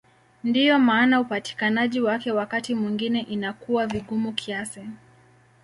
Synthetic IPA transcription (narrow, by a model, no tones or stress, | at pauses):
ndijɔmaːnaupati̥kanaʄiwakɛwakatimwiŋɡinɛʔinakuwaviɠumukʰiasɛ